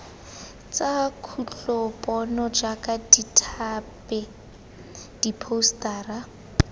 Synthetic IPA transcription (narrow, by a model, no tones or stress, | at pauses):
t͡sakʰut͡ɬɔpʼɔnɔd͡ʒakʼaditʰapɛ | d̥ipʰostaːra